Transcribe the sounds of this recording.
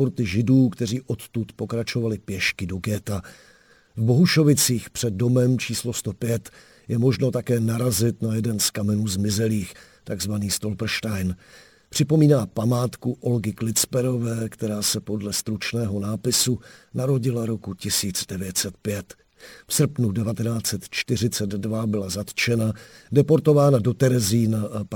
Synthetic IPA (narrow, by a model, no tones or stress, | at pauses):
poɾt̪ɪʒɪduːkt̪ɛriːʔo̞t̪t̪ut̪po̞kɾat͡ʃo̞valɪpjɛʃkɪdo̞ɡɛːt̪a | vbo̞ɦuʃo̞vɪt͡siːxpr̝̥ɛd̚do̞mɛmt͡ʃiːslost̪o̞pjɛt̪ | jɛmo̞ʒno̞t̪akɛːnaɾazɪt̪najɛdɛnskamɛnuːzmɪzɛliːxt̪aɡzvaniːst̪o̞lpr̩ʃtajn | pr̝̥ɪpo̞miːnaːpamaːt̪kuʔo̞lɡɪklɪt͡spɛɾo̞vɛːkt̪ɛɾaːsɛpo̞dlɛst̪ɾut͡ʃnɛːɦo̞naːpɪsunaɾo̞ɟɪlaɾo̞kucɪsiːt͡sdɛvjɛt̪sɛt̪̚pjɛt̪ | fsr̩pnudɛvat̪ɛnaːt͡sɛt̪t͡ʃt̪ɪr̝ɪt͡sɛd̪dvabɪlazat̪t͡ʃɛna | dɛpo̞ɾt̪o̞vaːnado̞t̪ɛɾɛziːnaʔap